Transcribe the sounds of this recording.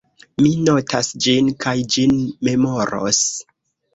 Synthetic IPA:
mino̞tʰasd͡ʒinkʰajd͡ʒinme̞mo̞ɾo̰s

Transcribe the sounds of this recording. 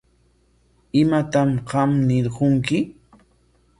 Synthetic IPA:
ɪmat̪amɢɑmnɪɾɢoŋkɪ

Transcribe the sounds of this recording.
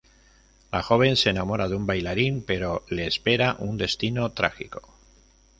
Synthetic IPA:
laxo̞β̞e̞nseːnamo̞ɾaðumbajlaɾimpe̞ɾo̞le̞ːspe̞ɾaʔund̪e̞st̪ino̞t̪ɾa̰xiko̞̥

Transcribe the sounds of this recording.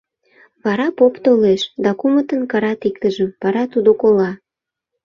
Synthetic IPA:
βɑɾɑpopt̪oleʃd̪ɑkumət̪ənkɑɾɑt̪ikt̪əʒəmβɑɾɑt̪ud̪okolɑ

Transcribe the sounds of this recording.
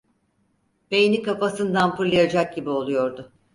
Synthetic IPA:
b̥ejnʲikafasɯnd̪anpɯɾlˠajad͡ʒak̚ɟibio̞lˠujo̞ɾd̪ʊ

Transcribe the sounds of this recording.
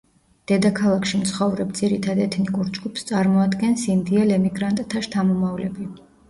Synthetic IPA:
d̪̥ɛd̪akʰalˠakʃimt̪sʰχɔvɾɛb̚d̪z̥iɾit̪ʰad̪ɛt̪ʰnikʼuɾd͡ʒɡupʰst̪sʼaɾmɔad̪ɡɛnsimd̪iɛlɛmiɡɾant̪ʼt̪ʰaʃt̪ʰamɔmavlɛbi

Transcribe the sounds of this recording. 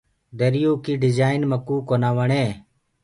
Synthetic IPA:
d̪əɾɪjoːkiːɖɪzaːɪnməkːuːkoːnaːʋəɳeː

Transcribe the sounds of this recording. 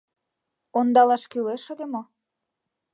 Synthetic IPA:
ond̪ɑlɑʃkyleʃŏd̪emo

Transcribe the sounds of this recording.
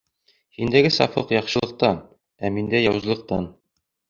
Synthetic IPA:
hind̪æɡɘsɑ̰fɤqjɒqʃɤ̆lˠɤ̆q̚t̪ɑ | æmind̪æjɒwzɤ̆lˠɤ̆q̚t̪ɑn

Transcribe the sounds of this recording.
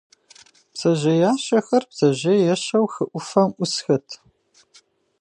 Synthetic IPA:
psɐʑɐjaːɕɐxɐrbz̥ɐʑɐjɛɕɐwxɨʔʷʊfɐmʔʷʊsxɐtʰ

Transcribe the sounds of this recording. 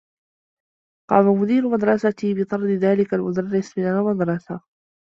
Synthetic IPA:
qɑ̰ːmamʊd̪iːɾʊmad̪ɾˤɑsat̪iːbɪt̪ˤɑɾˤd̪ɪðaːlɪkalmʊd̪arːɪsmɪnalmad̪ɾˤɑsa

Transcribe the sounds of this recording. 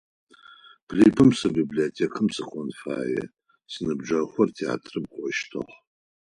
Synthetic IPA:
pʰriːpʰɨmsɨbibliotʰeːkʰɨmsɨχʷɔnfa̰ːjɛ̰ | sɨnɨbʒɐχʷɔrtʰia̰ːtʰrɨmχʷɔʃtʰɨ̰χ

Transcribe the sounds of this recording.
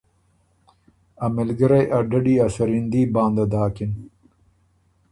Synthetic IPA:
ɐmelɡɐɾejʔɐɖɐɖiːasɐɾind̪iːbãːnd̪ɐd̪aːkin

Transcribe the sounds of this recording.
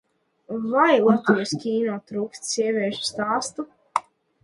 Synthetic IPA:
vajlˠat̪iɔskʲiːnuːt̪ːɾuːkst̪siɛvʲiɛʃst̪aːst̪u

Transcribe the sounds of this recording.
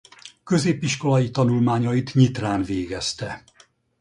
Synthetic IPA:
kø̞zeːpiʃko̞lɒjit̪ɒnulmaːɲɒjit̪ɲit̪raːnveːɡɛst̪ɛ

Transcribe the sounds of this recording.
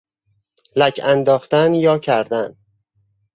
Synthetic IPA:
lækʰænd̪ɒːχt̪ænjɒːcʰæɾd̪æn

